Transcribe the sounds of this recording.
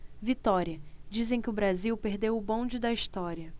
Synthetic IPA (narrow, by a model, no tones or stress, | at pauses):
vit̪ɔɾiɐd͡ʒizẽj̃kɪʊbɾaziwpeɾd̪ewʊbõd͡ʒɪd̪ɐiʃt̪ɔɾiɐ